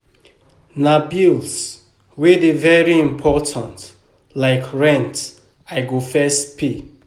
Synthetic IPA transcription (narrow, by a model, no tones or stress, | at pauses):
nabils | wedivɛɹiĩmpʰɔtʰãnt | laɪkɹɛ̃nt | aɪɡofɛstpʰi